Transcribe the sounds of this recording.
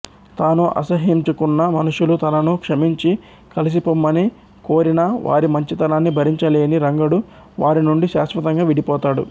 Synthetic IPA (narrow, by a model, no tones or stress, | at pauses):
t̪aːnuʔɐ̰sɐɦimt͡ʃukunːɐmɐnuʂulut̪ɐnɐnukʂɐmiɲt͡ʃi | kɐlis̬ipomːɐni | ko̞ːɾinɐʋa̰ːɾimɐɲt͡ʃit̪ɐnaːnːibʱɐɾiɲt͡ʃɐleːniɾɐŋɡɐɽu | ʋaːɾinuɳɖiʃaːsʋɐt̪ɐŋɡaːʋiɽipɔːt̪aːɽṵ